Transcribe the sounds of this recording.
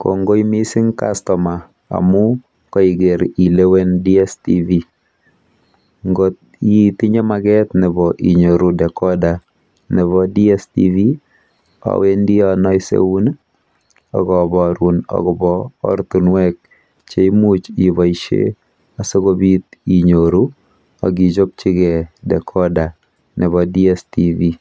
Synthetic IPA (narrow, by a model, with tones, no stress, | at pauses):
ko̰˨ŋɡo˦i˦mi˦sɪ˦ŋkastɔ˨ma˨ | a̰˨mʊ˦ | kɔ˦i˨ɡe˨ɾi˨le˦we˦ndiɛ˦stivi | ŋɡot | itɪ˦ɲe˦maɡɛt̪nɪ˨bɔ˨ʔi˨ɲo˨ɾu˨dɛ˨kɔda˨ | nɪ˨βɔdi˦ɛstḭvi˦ | ɔ̰˨we˦ndɪ˦ɔnɔ˦ɪ˦sḛ˦u˦n | ɔ̰˨ɡɔ˨bɔɾu˨nɔ̰˨ɡɔ˨bɔ̰ː˦ɾt̪u˨nwɛ˦k̚ | t͡ʃe˨i˦mu˦t͡ʃːβa˨iʃḛ˦ | a˨se˦ɡo˦bi˦t̪i˨ɲoɾu˦ | a̰˨ɡi˨d͡ʒo˦p̚t͡ʃɪ˦ɡɛ˨dɛ˨kʰɔ˦da˨ | nɛ˨βɔ˨di˦ɛ˦sti˦vi